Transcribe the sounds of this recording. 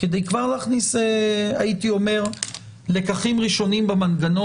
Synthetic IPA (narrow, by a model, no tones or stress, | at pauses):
ked̪ejkvaʁlaːχniseait̪io̞me̞ʁ | le̞kaχimʁiʃo̞nimbemanɡano